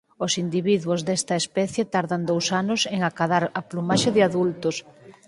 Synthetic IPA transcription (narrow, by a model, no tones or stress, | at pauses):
osind̪iβiðwuozðɛst̪ɐespɛθjet̪aɾðand̪owsanʊseŋakaðaɾɐplumaʃeðɪaðult̪ʊs